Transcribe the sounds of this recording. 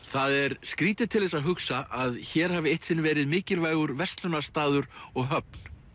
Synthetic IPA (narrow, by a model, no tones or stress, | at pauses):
θaðɛɾ̥skɾiːt̪ɪ̥t̪ʰɪlðɛsaðɦʏksaʔaðçɛːɾ̥haːvɪejht̪sɪnːvɛːɾɪðmɪːcɪlvaːjɣʏɾvɛrst̪lʏnḁst̪aːðʏɾɔɣɦœp̚n̥